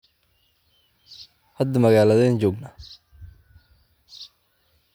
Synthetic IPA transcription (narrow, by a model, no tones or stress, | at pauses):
hɐd̪ːɐmɐɣaːlɐðɛːnt͡ʃɔːɡnɐ